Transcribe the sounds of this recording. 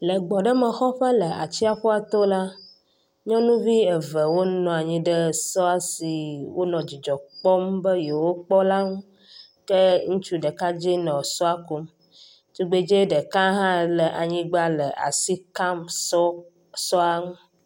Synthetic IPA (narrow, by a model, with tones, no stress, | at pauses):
lə˨ɡ͡bɔ˨ɖə˦mə˨xɔ˦ɸə˦lə˨a̰˨t͡ɕi˦a˨ɸo˦a˨t̪o˦la˦ | ɲɔ̃˦nũ˦vi˦e˨və˨wo˦nɔ̃˨a˨ɲĩ˦ɖə˦sɔ˦a˨si˨wo˦nɔ̃˨d͡ʑi˨d͡ʒɔ˨k͡pɔ˦mbə˦je˨wo˦k͡pɔ˦la˦ŋũ˦ | kə˦ŋũ˦t͡ʃu˦ɖə˨ka˦d͡ʒi˦nɔ̃˨sɔ˦a˨ku˦m | t͡ʃu˦ɡ͡be˦d͡ʒe˦ɖə˨ka˦ɦã˦˨lə˨ʔa̰˨ɲĩ˦ɡ͡ba˦lə˨ʔa̰˨si˦ka˦mɔ˦ | sɔ˦a˨ŋũ˦